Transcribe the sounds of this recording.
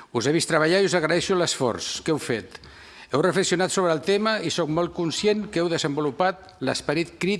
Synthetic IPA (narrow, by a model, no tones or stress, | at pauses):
uzeβ̞ist̪ɾəβəʎaiuzəɣɾəɛʃuləsfɔ̰rskɛwfet̪ | ɛwrəfləksiunat̪soβɾəːlˠt̪eməisok̚mɔlˠt̪̚kunsjenkɛwðəzəmbulupat̪̚ | lə̰spəɾit̪kɾi